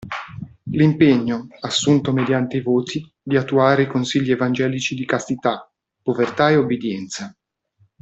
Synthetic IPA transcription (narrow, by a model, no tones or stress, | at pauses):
limpeɲːoasːunt̪omed̪jant̪eivoːt̪ʰi | d̪iat̪ːuaːɾeikonsiʎːievand͡ʒɛːlit͡ʃid̪ikast̪it̪a | pːovert̪aeubːed̪jɛnt̪sa